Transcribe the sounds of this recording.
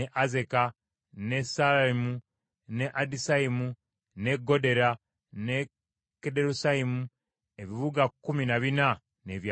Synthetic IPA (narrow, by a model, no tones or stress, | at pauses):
eʔaze̞ka | nesalaimu | neʔadisaimu | ne̞ɡo̞de̞ɾa | ne | kedeɾusaimu | e̞βiβuɡakːuminaβina | ne̞ːβja